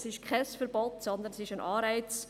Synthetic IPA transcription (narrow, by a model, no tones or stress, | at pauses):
sɪʃkʰɛsfəɾbot̪sɔnd̪ənɛsɪʃanʔɑːɾaɪt͡s